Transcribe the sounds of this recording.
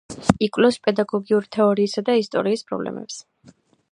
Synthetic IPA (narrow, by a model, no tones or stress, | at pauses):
ikʼwlɔspʼɛd̪aɡɔɡiuɾit̪ʰɛɔɾiːsad̪aist̪ʼɔ̰ɾiːspʰʼɾɔ̰blɛ̰mɛ̰ps